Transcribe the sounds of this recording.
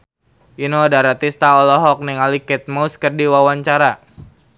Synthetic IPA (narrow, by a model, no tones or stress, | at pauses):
ʔinoadaɾat̪ist̪aɔlɔɦɔk̚nɛŋalikɛt̪̚maskərdiwawaɲt͡ʃaɾa